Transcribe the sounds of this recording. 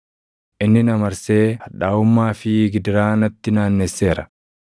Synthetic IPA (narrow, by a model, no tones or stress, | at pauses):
ʔɪnːɪnɐmɐɾse̞ːhɐᶑaːʊmːaːfɪɡɪd̪ɪɾaːnɐt̪ːɪnaːnːɛsːe̞ːɾɐ